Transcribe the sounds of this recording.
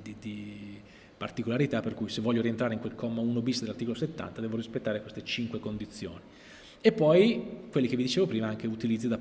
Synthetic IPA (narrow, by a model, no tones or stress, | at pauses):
d̪id̪i | part̪ikolaɾit̪apːerkujsevːɔʎːoɾient̪ɾaɾeiŋkwelkʰɔmːauːnobisd̪elart̪iːkoloset̪ːa̰nt̪ad̪ɛːvoɾispet̪ːaːɾekwest̪et͡ʃiŋkwekond̪it̪sːjo̰ːni | epːɔjkwelːik̟evːid̪it͡ʃeːvopɾiːmaaŋk̟eut̪ilid̪zid̪a